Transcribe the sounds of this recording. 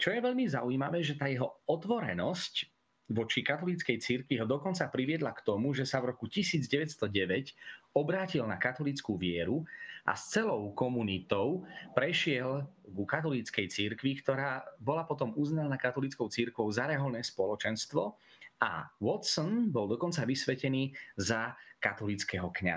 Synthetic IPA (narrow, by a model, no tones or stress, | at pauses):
t͡ʃɔjɛʋɛʎmizauimaʋɛːʒɛt̪aːjɛɦɔɔt̪ʋɔɾɛ̰nɔsc | ʋɔt͡ʃikat̪ɔlit͡skɛjt͡siɾkʋiɦɔd̪ɔkɔnt͡sapɾiʋɪɛd̪lakt̪ɔmuʒɛsavɾɔkucisiːd͡zɟɛʋɛtst̪ɔɟɛʋɛcɔbɾaːcilna̰kat̪ɔlit͡skuːʋɪɛɾuʔa̰st͡sɛlɔʊkɔmunit̪ɔʊpɾɛʃɪɛlɡukat̪̬ɔlit͡skɛjt͡siɾkʋikt̪ɔɾaːbɔlapɔt̪ɔmuznanakat̪ɔlit͡skɔʊt͡siɾkʋɔʊzaɾɛɦɔlnɛːspɔlɔt͡ʃɛnst̪ʋɔ | a̰wɔt̪sɔnbɔld̪ɔkɔnt͡saʋisʋɛcɛniːzakat̪ɔlit͡skɛɦɔkɲa̰